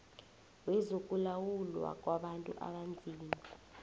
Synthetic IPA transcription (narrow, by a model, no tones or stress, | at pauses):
wɛzokʼulawulwa̰k̬ʼwaɓantʼṵʔa̰ɓand͡zʱiːni